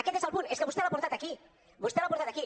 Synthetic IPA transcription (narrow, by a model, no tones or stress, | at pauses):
aket̪esalpuneskabust̪alapoɾt̪at̪aki | bust̪alapoɾt̪at̪aki